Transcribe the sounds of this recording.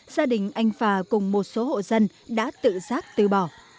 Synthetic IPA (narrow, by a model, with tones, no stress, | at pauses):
z̥aː˧ɗï˨˩ŋ̟ʔa˧jŋ̟faː˨˩kʊ˨˩ŋ͡mmo˨˩t̚so˨˦ɦo̰˧˨zə˧n | ɗa̰ː˧˥t̪ɨ̰˧˨zaː˦˥k̚t̪ɨ̰˨˩ɓɔ˧˨˩